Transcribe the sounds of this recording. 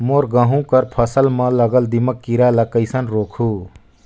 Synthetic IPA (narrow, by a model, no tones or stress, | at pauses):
moːɾɡəɦũkəɾpʰəsəlmə̃ləɡəld̪iməkːiɾaləkəɪsənɾoːkʰuː